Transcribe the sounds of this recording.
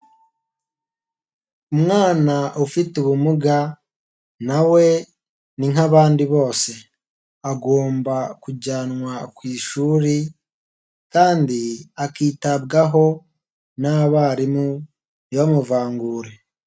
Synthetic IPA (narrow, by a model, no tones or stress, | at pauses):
umŋaːnaʔufituβumuɡa | nawe̞ | niŋhaβaːndiβo̞ːse̞ | aɡo̞ːmbakuɟaːnwakwiːʃuːɾi | kaːndiakiːtabɡaɦo̞ | naβaɾimu | jamuvaːŋɡuːɾe̞